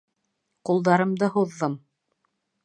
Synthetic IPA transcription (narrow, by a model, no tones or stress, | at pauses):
qulˠd̪ɑɾɤ̆md̪ɤhuðːɤm